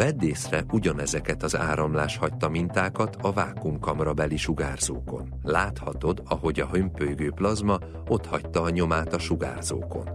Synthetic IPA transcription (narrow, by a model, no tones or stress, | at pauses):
vɛd̪ːeːsrɛʔuɟɒnɛzɛkɛt̪ɒza̰ːɾɒmlaːʃhɒct̪ɒmint̪aːkɒt̪ʰɒvaːkumkɒmrɒbɛlːiʃuɡaːrz̥o̰ːko̞̰n | laːt̪hɒt̪o̞d̪ɒɦo̞ɟɒɦømpøjɡøːplɒzmɒ | o̞t̪hɒct̪ɒːɲo̞maːt̪ɒʃuɡa̰ːrzo̰ːko̞̰n